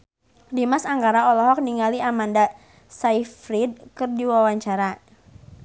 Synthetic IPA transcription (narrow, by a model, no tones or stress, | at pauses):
dimasaŋɡaɾaɔlɔɦɔk̚niŋaliamanda | saifɾid̚kɨrdiwawaɲt͡ʃaɾa